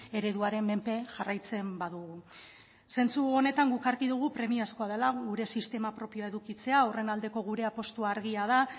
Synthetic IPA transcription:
e̞ɾe̞ðuaɾe̞mme̞mpe̞ʝarajt͡se̞mbaðuɣu | se̞nt͡suo̞ne̞t̪aŋɡukaɾkiðuɣ̞upɾe̞miasko̞að̞e̞laɣuɾe̞sist̪e̞mapɾo̞pioae̞ðukit͡se̞aure̞nald̪e̞ko̞ɣuɾe̞apo̞st̪uaɾɣiað̞a

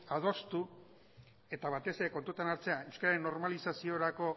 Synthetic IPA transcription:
aðo̞st̪u | e̞t̪aβ̞at̪e̞se̞ɾe̞ko̞nt̪ut̪anaɾt͡se̞ae̞wskaɾaɾenːo̞ɾmalisasio̞ɾako̞

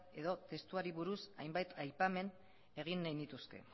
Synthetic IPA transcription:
e̞ðo̞t̪e̞st̪uaɾiβuɾusajmbajt̪ʰajpame̞n | e̞ɣ̞inːajnd̪it̪uske̞̰

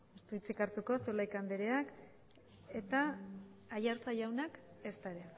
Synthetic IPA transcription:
ust̪uit͡sikaɾt̪uko̞selajkand̪eɾeak | e̞t̪aː | jaɾt͡sajawnak | e̞st̪aɾe

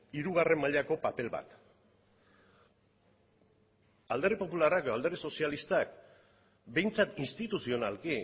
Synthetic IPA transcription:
iɾuɣ̞are̞mːaʎako̞pape̞lβa̰t̪ | ald̪e̞ɾepo̞pularakeald̪eɾðeso̞sialist̪ak̚ | be̞jnt͡sat̪inst̪it̪usio̞nalki

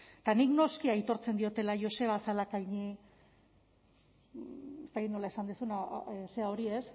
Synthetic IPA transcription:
t̪anikno̞skiait̪o̞ɾt͡se̞nd̪io̞t̪e̞laʝo̞se̞β̞asalakajɲi | est̪akit̪no̞laesand̪esunase̞ao̞ɾie̞s

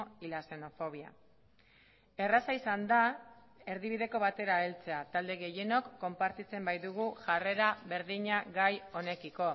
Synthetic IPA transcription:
ilase̞no̞fo̞β̞ia̰ | e̞rasaisand̪a | e̞ɾðiβiðe̞ko̞βat̪e̞ɾaelt͡se̞at̪ald̪e̞ɣe̞je̞no̞kːo̞mpaɾt̪it͡se̞mbajðuɣ̞uʝare̞ɾaβe̞ɾðiɲaɣajo̞ne̞kiko̞

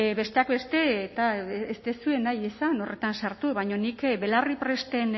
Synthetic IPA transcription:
βe̞st̪eakbe̞st̪e̞t̪aest̪e̞sue̞najesano̞re̞t̪ansaɾt̪uβajɲo̞nikbe̞laripɾe̞st̪e̞n

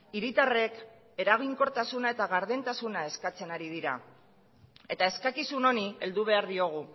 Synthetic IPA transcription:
iɾit̪are̞k | e̞ɾaɣ̞iŋko̞ɾt̪asunae̞t̪aɣaɾðe̞nt̪asunae̞skat͡se̞naɾið̞iɾa̰ | e̞t̪ae̞skakisuno̞nie̞ld̪uβ̞e̞aɾðio̞ɣ̞u

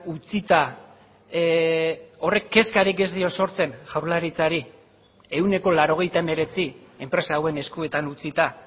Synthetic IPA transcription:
ut͡sit̪a | o̞re̞kːe̞skaɾike̞zðio̞so̞ɾt͡se̞nʝawɾlaɾit͡saɾi | e̞wne̞ko̞laɾo̞ɣ̞e̞jt̪ae̞me̞ɾe̞t͡sie̞mpɾe̞saːwe̞ne̞skue̞t̪anut͡sit̪a

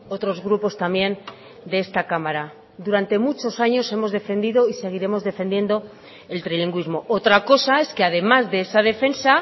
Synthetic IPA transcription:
o̞t̪ɾo̞zɣɾupo̞st̪ambje̞n | d̪e̞est̪akamaɾa | d̪uɾant̪e̞mut͡ʃo̞saɲo̞se̞mo̞zðe̞fe̞nd̪iðo̞ise̞ɣ̞iɾe̞mo̞zðe̞fe̞nd̪je̞nd̪o̞ | e̞lt̪ɾiliŋɡwizmo̞o̞t̪ɾako̞sae̞ske̞að̞e̞mazðe̞esað̞e̞fe̞nsa

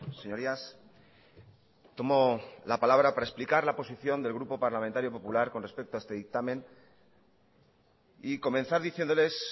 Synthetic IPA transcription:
se̞ɲo̞ɾias | t̪o̞mo̞lapalaβɾapaɾaesplikaɾlapo̞siθjo̞nd̪e̞lɣɾupo̞paɾlamẽ̞nt̪aɾjo̞po̞pulaɾko̞nre̞spe̞k̚t̪oaest̪eðik̚t̪amẽ̞n | iko̞mẽ̞nθaɾðiθje̞nd̪ole̞s

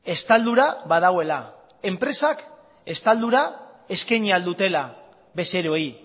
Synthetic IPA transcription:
e̞st̪ald̪uɾaβaðaɣoe̞la | e̞mpɾe̞sak | e̞st̪ald̪uɾa | e̞skeɲiald̪ut̪e̞la | βe̞se̞ɾoi

